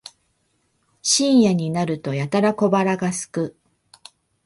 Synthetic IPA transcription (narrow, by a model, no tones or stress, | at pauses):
ɕĩɰ̃jaɲ̟inaɾɯ̟t̪o̞jat̪aɾako̞baɾaɡasɨ̥kɯ̟